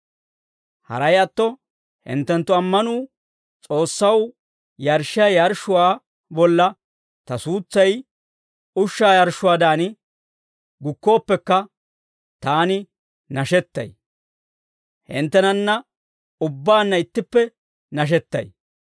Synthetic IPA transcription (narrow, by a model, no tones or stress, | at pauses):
hɐ̰ɾɐjɐt̪ːɔ | hɪ̰nt̪ːɛnt̪ːʊɐmːɐnuː | t͡sʼo̞ːsːɐw | jɐɾʃajɐɾʃʊwaː | bɔlːɐ | t̪ɐsuːt͡sːɐj | ʊʃːaːjɐɾʃʊwaːd̪aːnɪ | ɡʊkːo̞ːpːɛkːɐ | t̪aːnɪ | nɐʃɛt̪ːɐ̰j | hɪ̰nt̪ːɛnɐnːɐ | ʊbːaːnːɐɪt̪ːɪpːɛ | nɐʃ̬ɛt̪ːɐ̰j